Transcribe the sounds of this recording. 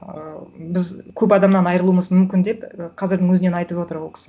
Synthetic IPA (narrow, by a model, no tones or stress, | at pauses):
əbɪzkʲʰɵbɑd̪ɑmnɑnɑjɾəlˠuəməzmʏmkʲɪnd̪e̞pəqʰɑzɪɾd̪ɪŋwɵzɪne̞nɑjt̪əpwo̞t̪əɾwokʲɪ̥s